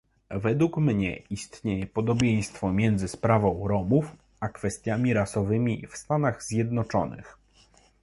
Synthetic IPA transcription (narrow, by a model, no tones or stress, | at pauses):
vɛd̪wukmɲɛ̰ist̪ɲejɛpɔd̪ɔbʲjej̃st̪fɔmʲjɛnd̪zɘspɾavɔ̃w̃ɾɔmuf | akfɛst̪ʲjamʲiɾasɔvɘmʲifst̪anaɣzʲjɛd̪̚nɔt͡ʂɔnɘ̰x